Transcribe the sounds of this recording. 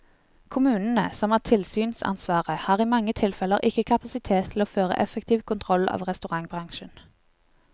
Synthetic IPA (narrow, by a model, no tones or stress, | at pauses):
kʰʊmʉːnən̩əsɔmæːt̪ʰɪlsyːnsɑ̰nsʋɑːʁəhɑːʁiːmɑŋːət̪ʰɪlfɛləʁʔɪkːəkʰɑpɑsɪt̪ʰeːt̪ʰloːføːʁə̰ʔɛfəkt̪ʰiːʋkʰʊnt̪ʰʁɔlɑ̰ːʋʁɛst̪ʉʁɑŋbʁɑŋʃən